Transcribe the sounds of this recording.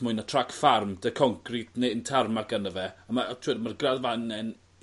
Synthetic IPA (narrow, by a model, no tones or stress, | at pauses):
mʊɨnatʰrakfarmdəkʰɔŋkʰridneəntʰarmaɡanəvɛəmatʰwɛdmarɡradvanɛn